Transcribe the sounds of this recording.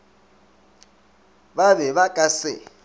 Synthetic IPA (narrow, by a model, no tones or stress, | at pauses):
βaβɛβakʼasɪ